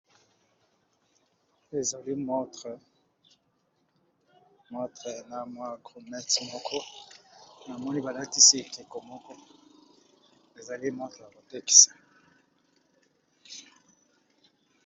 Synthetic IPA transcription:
e˨za˨li˦mɔ˦t | mɔ˦tʁɛ˨na˨mwa˦ɡʁu˨mɛ˦tmo˨kʰɔ˦ | na˨mɔ˦ni˦ba˨la˦ti˦si˦˨ke˨ko˨mo˦kɔ˦ | e˨za˨li˦mɔ̃˦tχa˨ko˨te˦ki̥˨sḁ˨

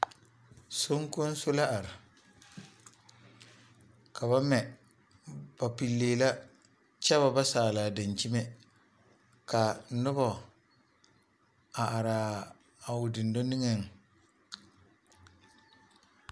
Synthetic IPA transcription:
so˦ŋkʊ˦n˦sʊ˦la˦ʔa˨ɾɪ˨ | kʰa˨βa˦mɛ˨ | ba˨pi˨lːeː˨la˦ | t͡ʃɛ˦βa˨ba˦saː˨laː˨da˨nt͡ʃi˦me˦ | ka˨nʊ˦bɔ˨ | a˨ʔa˨ɾaː˨ | a˨ʊ˨dɪ˨ndo˦ni˦ŋɛ˦˨ŋ

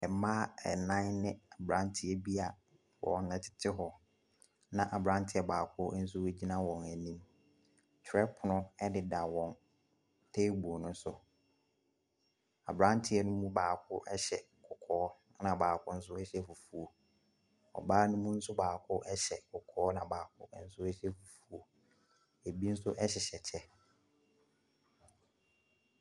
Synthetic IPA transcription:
ɛ˨mãː˦ɛ˨nã˦nnɪ̃˦a˨bɾã˦ntʰɪ˨ɛ˦bi˦a˨ | wɔ̰˨nã˨tʰɪ̥˦tʰɪ˦ɦɔ˨ | nã˦˨ʔa˨bɾã˦n˦tʰɪ˦ɛ˨baː˨kʰʊ˦n̩˦s̬ʊ˦we˦d͡ʑi˦nã˦wɔ̃˨næ˨nĩ˦m | t͡ɕʰɾɛ˦pʰʊ˨nʊ̃˦ɛ˦dɪ˨da˨wɔ̃˨n | tʰe˦bu˨o˨nʊ̃˦sʊ˨ | a̰˨bɾã˦n˦tʰɪ˦ɛ˦nʊ̃˦mũ˦baː˨kʰʊ˦ʔɛ˦ɕɛ˨ | kʰʊ˨kʰɔː˨˦ | nã˨baː˨kʰʊ˦n̩˦s̬ʊ˦ɛ˦ɕɛ˦˨fu˨fu˨o˨ | ɔ̰˨baː˦nʊ̃˦mũ˦n̩˦sʊ˦baː˨kʰʊ˦ʔɛ˦ɕɛ˨kʰʊ˨kʰɔː˨˦nã˨baː˨kʰʊ˦n̩˦sʊ˦ɛ˦ɕɛ˦fu˨fu˨o˨ | e˨bi˦n̩˦sʊ˦ʔɛ˦ɕ̬ɛ˨ɕɛ˨t͡ɕʰɛ˦

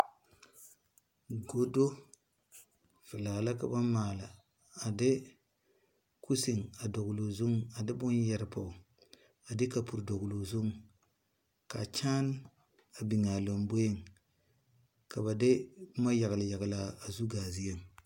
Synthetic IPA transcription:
ɡo˦do˦ | fi˨la˨la˦ka˦ba˦ma˨laː˨ | de˦ | ku˦si˨ŋa˨do˨ɡlo˨zu˦ŋa˨de˦bu˦n˦je˨ɾpo˨ | a˨de˦ka˨pu˨ɾdo˨ɡlo˨zu˦ŋ | ka˨t͡ʃa˦n | a˨bi˨ŋa˨lo˨mbe˦˨ŋ | ka˨ba˨de˦ma˦ja˨ɡla˨ja˨ɡlaː˨zu˦ɡa˨zi˦je˦m

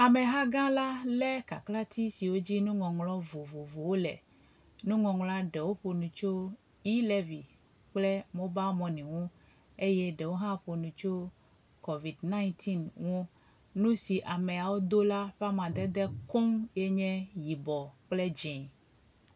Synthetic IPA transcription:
a˨mɛ̃˨ɦã˦ɡã˦la˦lɛ˦ka˨kla˦t̪i˦si˨wo˦d͡ʑi˦nũ˦ŋɔ̃˨ŋlɔ˦vo˨vo˨vo˨wo˦lɛ̰˨ | nũ˦ŋɔ̃˨ŋla˦ɖɛ˨wo˦ɸo˨nũ˨t͡ʃo˦ | i˦lɛ˦vi˨ | k͡plɛ˦mõ˦ba˦mɔ̃˨nĩ˨ŋũ˦ | e˦jɛ˦ɖɛ˨wo˦ɦã˦ɸo˨nũ˨t͡ʃo˦ | ko˨vi˨dnã˦ĩ˦t̪ʰi˦nwɔ̃˦ | nũ˦si˨ʔa˨mɛ̃˨a˨wo˦d̪o˦la˦ɸa˦mã˨d̪ɛ˦d̪ɛ˦ko˦ŋjɛ˦ɲɛ̃˦ji˨bɔ˨k͡plɛ˦d͡ʒɛ̃˨

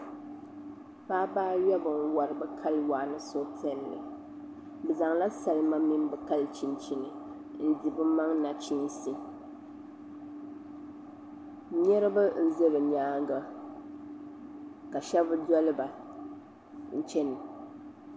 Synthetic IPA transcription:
paː˦baː˦jɛ˦bɨ˨ŋ˦wa˨ɾɨ˨bɨ˨kʰa˦lwa˨nɨ˦so˦pʰɛ˦lːɨ̰˨ | bɨ˨za˨ŋla˦sa˨lɨ˦ma˦mi˦n˦bɨ˨ka˦lt͡ʃi˨nt͡ʃi˨nɨ˨ | n̩˦di˨bɨ˦ma˦ŋna˨t͡ʃi˦ŋ˦si˦ | ɲɛ˦ɾɨ˦bɨ˦n̩˦zɨ˦ɾɨ˨ɲaː˦ŋ˦ɡa˦ | ka˨ʃɛ˦bɨ˦dɔ˦lɨ˦ba˨ | n̩˨t͡ʃɛ˦nɨ˨

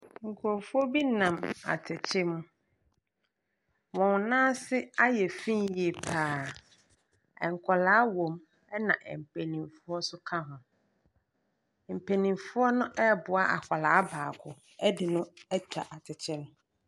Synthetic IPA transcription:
ŋ̩˨kʰʊ˨ɔ˨fʊ˦ɔ˦bi˦nã˨ma̰˨tʰɪ˨t͡ɕʰɪ˦m̃˦ | wɔ̃˨n˨nãː˦sɪ˦a˦jɛ˨fĩ˦nje˨pʰaː˦˨ | ɛ̰˨ŋ˨kʰɔ˨laː˨˦wõ˨m | ɛ˦nã˨ʔɛ˨m̩˨pʰe˨nĩ˨mfʊ˦ɔ˦sʊ˦kʰã˦ɦʊ̃˨ | m̩˨pʰe˨nĩ˨mfʊ˦ɔ˦nʊ̃˦ʔɛ˦˨bʊ˨a˦ʔa̰˨kʷa˨la˨a˦baː˨kʰʊ˨ | ɛ˦dɪ˨nʊ̃˦ɛ˦tʰa̰˨ʔa˨tʰɪ˨t͡ɕʰɪ˦m˦

